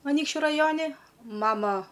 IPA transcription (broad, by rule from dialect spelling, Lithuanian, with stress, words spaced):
ɐˈnʲiːkʃʲt͡ʃʲʊ rɐˈjoːnʲɪ ˈmɑːmɐ